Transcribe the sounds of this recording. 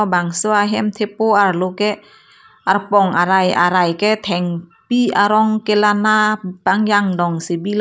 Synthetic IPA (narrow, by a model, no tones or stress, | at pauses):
baŋsɯaɦɛmt̪ʰepoʔaɾlokɛ | ʔaɾpɔŋʔa̰ɾajʔa̰ɾajkɛt̪ʰɛŋpiaɾɔŋkelanabaŋjaŋdɔŋsebil